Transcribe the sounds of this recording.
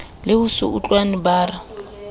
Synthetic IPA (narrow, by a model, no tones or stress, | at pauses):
lɪhusʊ̰ut͡ɬʼwanɪbaːra